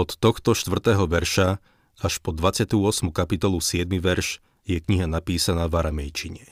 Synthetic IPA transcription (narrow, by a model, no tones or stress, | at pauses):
ɔt̪ːɔxt̪ɔʃt̪ʋr̩t̪ɛːɦɔʋɛɾʃa | aʃpɔd̪ʋat͡sɪat̪uɔsmukapit̪ɔlusɪɛd̪̚miʋɛɾʃ | jɛkɲiɦanapiːsanaːvaɾamɛjt͡ʃiɲɛ